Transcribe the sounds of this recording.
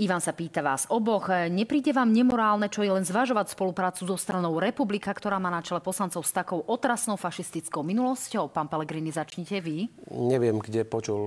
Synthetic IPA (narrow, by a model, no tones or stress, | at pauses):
iʋansapiːt̪aʋaːzɔbɔxɲɛpɾiːɟɛʋaːmɲɛmɔɾaːlnɛt͡ʃɔjɛlɛnzʋaʒɔʋacspɔlupɾaːt͡suzɔst̪ɾanɔʊɾɛpublikakt̪ɔɾaːmaːnat͡ʃɛlɛpɔslant͡sɔʊst̪akɔʊʔɔt̪ɾasnɔʊfaʃist̪it͡skɔʊminulɔscɔʊpaːnpɛlɛɡɾiːnizat͡ʃɲicɛʋiɲɛʋɪɛmɡɟɛpɔt͡ʃul